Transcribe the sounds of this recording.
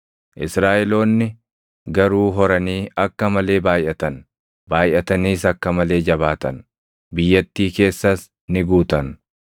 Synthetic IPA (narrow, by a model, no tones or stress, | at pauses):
ʔɪsɾaːʔɛlo̞ːnːɪ | ɡɐɾuːɦɔɾɐniːɐkːɐmɐle̞ːbaːjʔɐt̪ɐn | baːjʔɐt̪ɐniːsɐkːɐmɐle̞ːd͡ʒɐβaːt̪ɐn | bɪjːɐt̪ːiːke̞ːsːɐs | nɪɡuːt̪ɐn